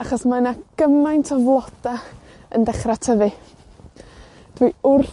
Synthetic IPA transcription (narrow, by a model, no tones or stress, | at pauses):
aχɔsmanaɡ̥əmajntʰɔvlˠɔd̥a | əndɛχratʰəvɨ | d̥wiʊr